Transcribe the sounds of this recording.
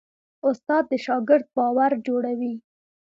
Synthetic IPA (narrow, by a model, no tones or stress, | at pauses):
ʊst̪ɑd̪ːəʃɑɡɪɾd̪̚bɑwaɾd͡ʒoɽawi